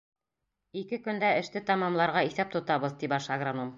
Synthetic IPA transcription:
ikɘkɵ̆nd̪æɘ̆ʃt̪ɘt̪ɑmɑmlˠɑɾʁɑiθæp̚t̪ŏt̪ɑβɤðt̪ibɑʃɑɡranom

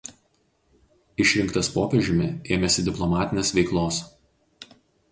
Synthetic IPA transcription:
ɪʃʲɾʲɪŋkt̪ɐspoːpʲɛʒʲɪmʲɪ̰eːmʲɛsʲɪd̪ʲɪplˠɔmɑːt̪ʲɪnʲeːsʋʲɛɪklˠoːs

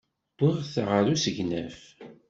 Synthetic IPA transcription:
d̪̥ˤiʁθʁəɾusəʝnæ̰f

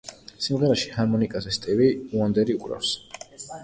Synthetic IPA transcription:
simʁɛlaʃi̥haɾmɔnikʼazɛst̪ʼiviuand̪ɛɾiukʼɾa̰fs

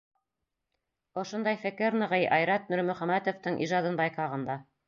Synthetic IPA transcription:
ŏʃŏnd̪ɑjfɘ̆kɘɾnɤ̆ʁɤjʔɑjɾɑt̪̚mɵɾmɵ̆χæmæt̪ŏft̪ɤɴʔḭʒɑd̪ɤnbɑjqɑʁɤ̆nd̪ɑ

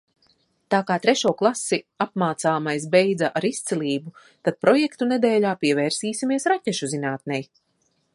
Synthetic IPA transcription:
t̪aːkaːt̪ɾɛʃuːklˠasiapmaːt̪saːmajsbejd̪aʔaɾist̪sɛlʲiːbu | t̪ad̪̚pɾɔjekt̪uned̪ɛːlaːpiɛvɛːɾsiːsimiɛsɾacʲɛʃuzinaːt̪̚nɛj

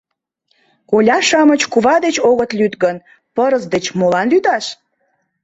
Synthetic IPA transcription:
kolʲɑʃɑmət͡ɕkuβɑd̪et͡ɕoɣət̪lyt̪ɣən | pəɾəzd̪et͡ɕmolɑnlyd̪ɑʃ

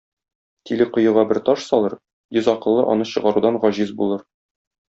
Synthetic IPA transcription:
t̪ilɘqŏjɤ̆ʁɑbɘɾt̪ɒʃsɒlˠɤɾ | jɵzɒqɤ̆lˠːɤʔɒ̰nɤɕɤ̆ʁɑɾud̪ɑnʁɒʑizbulˠɤɾ

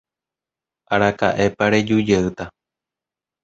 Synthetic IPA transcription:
aɾaka̰ʔe̞paɾed͡ʒud͡ʒeɨt̪a

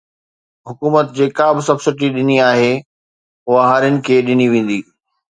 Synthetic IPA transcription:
ɦʊkuːmət̪d͡ʑeːkabɪsɐbsɪʈ̬iɗɪniaːɦe | ɦʊɦaɦaːɾjənɪ̆kʰeːɗɪniʋẽːn̆d̪iː

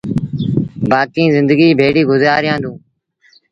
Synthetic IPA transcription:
baːkĩːzɪ̃nd̪əɡiːbʱeːɽiːɡʊzaːɾɪjãːnd̪ũː

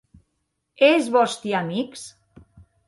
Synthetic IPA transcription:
ezβɔst̪iamiks

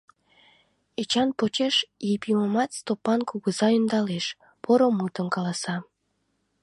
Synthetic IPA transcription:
et͡ɕɑnpot͡ɕeʃjepiməmɑt̪st̪opːɑnkuɣəzɑynd̪ɑleʃ | poɾomut̪ə̆nkɑlɑsɑ

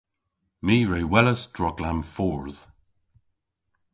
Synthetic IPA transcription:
miːɹeːwɛləsdɹɔɡlamfɔːɹð̥

